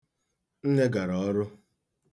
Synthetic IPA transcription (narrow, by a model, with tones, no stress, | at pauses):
n̩˦ne˦ɡa˨ɾɔ˨˦ɾʊ˦